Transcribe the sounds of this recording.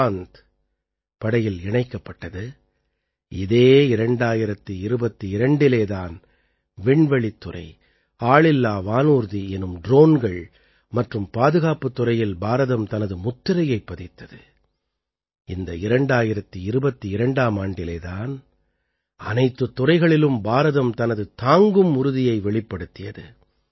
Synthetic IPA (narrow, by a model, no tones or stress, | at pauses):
nd̪ | pɐɽɐjɪlɪɳɐɪkːɐpːɐʈːɐðɯ | ɪðeːɪɾɐɳɖaːjɪɾɐt̪ːɯɪɾɯbɐt̪ːiɪɾɐɳɖɪleːðaːn | ʋɛɳʋɛɭit̪ːʊrɐ̰ɪ | aːɭɪlːaːʋaːnuːɾðiɛnɯmɖɾoːnɡɐɭ | mɐʈrɯmpaːðɯɣaːpɯt̪ːʊrɐjɪlbaːɾɐðɐmt̪ɐnɐðɯmʊt̪ːɪɾɐjɐɪpːɐðɪt̪ːɐðɯ | ɪnd̪ɐɪɾɐɳɖaːjɪɾɐt̪ːɯɪɾɯbɐt̪ːiɪɾɐɳɖaːmaːɳɖɪleːðaːn | ɐnɐɪt̪ːɯt̪ːʊrɐɪɣɐɭɪlɯmbaːɾɐðɐmt̪ɐnɐðɯt̪aːŋɡɯmʊɾɯðɪjɐɪʋɛɭɪpːɐɽɯt̪ːɪjɐðɯ